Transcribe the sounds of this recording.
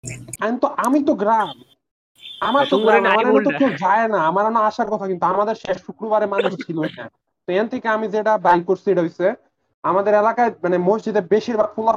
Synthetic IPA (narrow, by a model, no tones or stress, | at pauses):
ant̪oʔamit̪oɡɾam | amaɾt̪oɡɾamamaɾmit̪oked͡ʑaenaamaɾanaaʃaɾkɔt̪ʰakint̪uamad̪eɾʃeʃʃukɾobaɾemanuʃt͡ɕʰilona | t̪oent̪ʰekeamid͡ʑeʈabajkoɾsieʈaɦojse | amad̪eɾɛlakaemanemosd͡ʑid̪ebeʃiɾbaɾfʰula